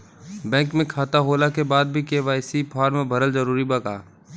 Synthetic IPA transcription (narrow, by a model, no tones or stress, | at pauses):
bɛ̃ːŋkmẽkʰaːt̪aɦoːlakebaːd̪̚bʱikeʋaːɪsipʰaːɾmẽbʱɐɾəlzəɾuːɾibɐka̰ː